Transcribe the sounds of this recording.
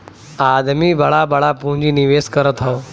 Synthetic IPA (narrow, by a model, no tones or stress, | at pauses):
ad̪miːbʱəɭabʱəɭapũɦd͡ʑiːniʋeskəɾət̪ao